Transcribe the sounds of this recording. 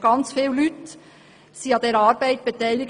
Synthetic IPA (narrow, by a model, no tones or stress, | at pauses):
ɡ̥ɑnt͡sfiːllyt | siːɑd̥̪eːɾɑːɾbæɪt̪̚b̥et̪æɪlɪɡ